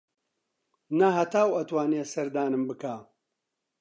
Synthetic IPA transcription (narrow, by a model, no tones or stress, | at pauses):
nɐɦɐt̪ʰaːwɐt̪waːneːsɐɾd̪aːnɨmbɨkaː